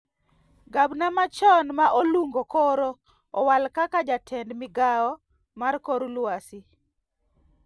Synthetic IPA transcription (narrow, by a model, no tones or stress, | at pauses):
ɡabnamat͡ʃɔnmaʔoluŋɡokɔɾo | ɔwalkakad͡ʒatʰɛndmɪɡaɔ | markoɾulwasi